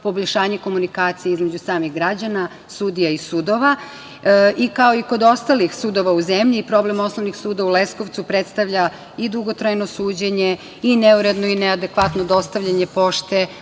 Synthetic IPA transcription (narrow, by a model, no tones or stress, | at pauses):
po̞boʎʲʃaːɲeko̞munikaːt̪sijeizme̞d͡ʑusaːmiɣɡɾad͡ʑana | sud̪ijaisuːd̪o̞ʋa | ikao̞iko̞d̪o̞st̪alixsuːd̪o̞ʋauzemʎiːpɾo̞ble̞mo̞snoʋnixsuːd̪aulesko̞ʋt̪supɾet̪st̪aʋʎa | id̪uɡo̞t̪ɾajno̞suːd͡ʑeɲe | ineuɾe̞d̪noinead̪ekʋat̪nod̪o̞st̪aʋʎʲaɲepo̞ʃt̪e